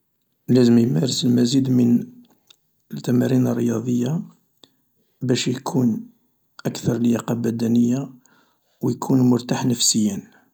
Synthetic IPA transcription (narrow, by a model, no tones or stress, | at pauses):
læzəmjmæɾəsəlmæzid̪mən | əlt̪æmæɾinərˤːəjɑd̪ˤəjːa | bæʃjkʰun | ʔækt̪ɑɾˤljaqɑbæd̪ænəjːa | wjkʰunmʊɾt̪aħnəfsəjːən